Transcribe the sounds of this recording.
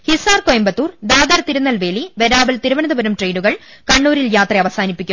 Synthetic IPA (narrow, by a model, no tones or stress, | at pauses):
hisaːrkojɐmbɐt̪ːuːrd̪aːd̪ɐrt̪iɾunːɐlʋe̞ːliʋe̞ɾaːbɐlt̪iɾuʋɐnɐðɐbɐɾɐmʈrejɖuɣɐɭkɐɳːuːɾiljaːt̪rɐɐʋɐsaːnipːikʲːum